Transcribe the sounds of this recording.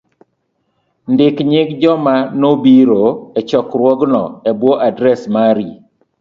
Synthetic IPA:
ndɪkɲɪɡd͡ʒɔmanobiɾoɛt͡ʃɔkɾwɔɡnɔ̰ɛbwɔʔadɾɛsmaɾi

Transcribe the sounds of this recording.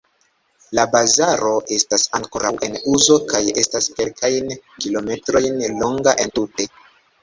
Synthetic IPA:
labazaɾo̞ʔe̞stasaŋko̞ɾawʔe̞nuzo̞kaje̞staske̞lkʰajnkilo̞me̞tɾo̞jnlo̞ŋɡaʔe̞ntute̞

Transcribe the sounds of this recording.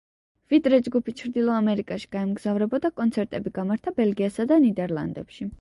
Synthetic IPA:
vid̪ɾɛd͡ʒɡupʰit͡ʃʰɾd̪ilˠɔamɛɾikʼaʃi̥ɡ̥aɛmɡz̥avɾɛbɔd̪akʼɔnt̪sʰɛɾt̪ʼɛbiɡamaɾt̪ʰabɛlɡiasad̪anid̪ɛɾlˠa̰nd̪ɛpʃi

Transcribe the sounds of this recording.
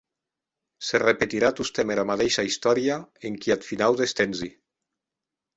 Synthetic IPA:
serepet̪iɾat̪ust̪ɛmeɾamat̪eʃaist̪ɔɾiaeŋkiat̪finawdest̪enzi

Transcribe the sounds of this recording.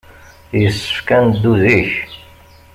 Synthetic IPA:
jəsːə̥fkænd̪ːuðiç

